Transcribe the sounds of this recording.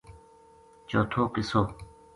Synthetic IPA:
t͡ɕoːt̪ʰoːkisoː

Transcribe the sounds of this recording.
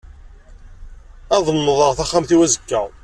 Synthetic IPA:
æðˤənːəðˤəʁθæχːamθiwæzəkːəʁ

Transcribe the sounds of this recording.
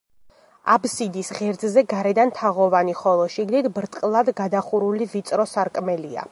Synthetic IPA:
a̰bsid̪isʁɛɾd̪zzɛɡaɾɛd̪ant̪ʰaʁɔvaniχɔlˠɔʃiɡnit̪ʰbɾt̪ʼqʼlˠad̪ɡad̪aχuɾulivit̪sʼɾɔsaɾkʼmɛlia̰

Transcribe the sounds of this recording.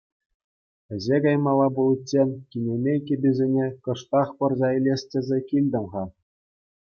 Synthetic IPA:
ɘ̆zʲeɡɑjmɑlˠɑbulˠt͡ɕʲːekʲinʲemʲekʲĕbʲizʲenʲekɤ̆ʂt̪ɑχpɤ̆rzɑilʲesʲtʲɘ̆zʲĕkʲilʲd̪ʲɤ̆mʁɑ

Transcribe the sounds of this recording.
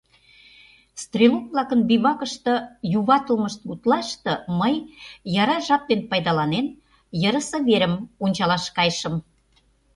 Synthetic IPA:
st̪rʲelunvlɑkənbiβɑkə̆ʃt̪ɤ̆juβɑt̪əlməʃt̪̚ut̪lɑʃt̪ɤ̆məjjɑɾɑʒɑp̚ːenpɑjd̪ɑlɑnen | jəɾəsɤ̆βeɾə̆munʲt͡ɕɑlɑʃkɑjʃə̆m

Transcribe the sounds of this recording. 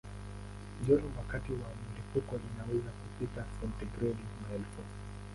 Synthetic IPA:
ʄɔɾɔwakatiwam̩lipukɔʔinawɛzakupitasaltiɡɾɛdamaɛlfu

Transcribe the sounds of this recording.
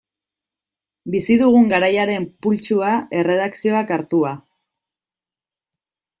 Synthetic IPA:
bisiðuɣ̞uŋɡaɾajaɾe̞mpult͡ʃuae̞re̞ð̞aksio̞akaɾt̪ua

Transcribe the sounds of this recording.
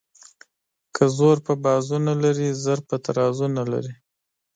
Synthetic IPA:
kʰəzoɾpəbɑzunalaɾizəɾpət̪aɾɑzunala̰ɾi

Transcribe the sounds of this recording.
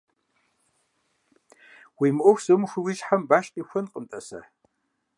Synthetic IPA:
wimʔʷʊxʷz̥ɨmʃʷɨwiʃħambaːʃqʼixʷʊnqʼəmtʼɐsɐ̰

